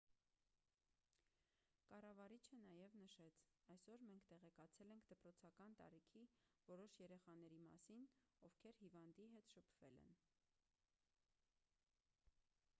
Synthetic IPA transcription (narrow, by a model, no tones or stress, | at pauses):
kɑrɑvɑɾit͡ʃʰənɑjɛvnəʃɛt͡sʰɑjsɔɾmɛŋkʰt̪ɛʁɛkɑt͡sʰɛlɛŋkʰd̪əpɾɔt͡sʰɑkɑnt̪ɑ̰ɾikʰivɔɾɔʃjɛɾɛχɑn̪ɛɾimɑ̰sinɔvkʰɛɾhivɑnd̪iɦɛt̪ʃəpʰv̥ɛlɛ̰n